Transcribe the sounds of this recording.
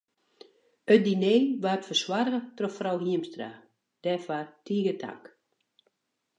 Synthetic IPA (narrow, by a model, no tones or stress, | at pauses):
ət̚dineːʋaːtfərswarɣətrɔfrɔwɦiəmstra | d̥ɛfartʰiːɡətʰa̰k